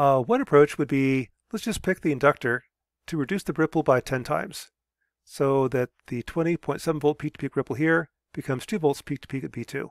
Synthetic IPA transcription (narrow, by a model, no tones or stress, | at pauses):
wʌ̃nɨpʰɹ̥oʊt͡ʃwɨd̚bi | lətsd̥ʒ̥ʌspʰɪk̚ðiɨ̃ndʌk̚tə˞ | ɾɨɹɨdʉsðɨbɹɪpl̩ˠbaɪtʰɛ̃ntʰã̰ɪ̃mz̥ | soʊðɨt̪̚ðɨtʰw̥ɛ̃ɾ̃ipʰɔ̃ɪ̃ntsɛvn̩voʊlˠt̚pʰik̚tʰəpʰikɹɪpl̩ˠɦiɹ | b̥ɨkʰʌ̃mz̥tʰʉvolˠtspʰik̚tʰə̥pʰikɨ̃n̚pʰitʰʉ̰